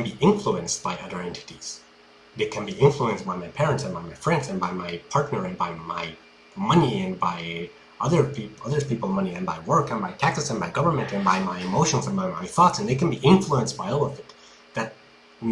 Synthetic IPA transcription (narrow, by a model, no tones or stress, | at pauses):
knbiʔɪ̃ɱfluɨ̃nsb̥aɪʔʌðə˞ɛ̃ntʰɨ̥ɾiz̥ | ðɨkʰɨ̃nbiɪ̃ɱfluɨ̃nsbaɪmaɪpʰɛɹɨ̃ntsɨ̃nbaɪmaɪfɹɛ̃ndzɨ̃nbaɪmaɪpʰɑɹtⁿnə˞ɨ̃nbaɪma̰ɪ | mʌniɨ̃nbaɪ | ʌðə˞pʰiʌðə˞pipl̩ˠmʌniɨ̃nbaɪwɜ˞kɨ̃nbaɪtʰæksɨsɨ̃nbaɪɡʌvə˞mɨ̃ntɨ̃nbaɪmaɪɨmoʊʃɨ̃n̩zə̃nbaɪmaɪθɔtsɨ̃n̩ðeɪkʰɨ̃nbiʔɪ̃ɱfluə̃nsb̥aɪɔlˠʌvɪt̪ | ðɨt̚